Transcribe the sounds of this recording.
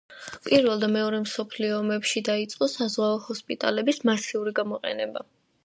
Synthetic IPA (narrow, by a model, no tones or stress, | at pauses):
pʼiɾvɛlˠd̪amɛɔɾɛmsɔpʰliɔːmɛpʃid̪ait̪sʼqʼɔsazʁaɔhɔspʼit̪ʼa̰lɛbismasiuɾiɡamɔqʼɛ̰nɛba